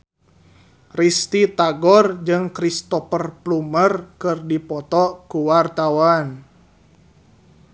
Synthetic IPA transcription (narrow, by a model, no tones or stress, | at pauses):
rist̪it̪aɡɔrd͡ʒɨŋkɾist̪ɔfərplumərkɨrdipɔt̪ɔkuwart̪awan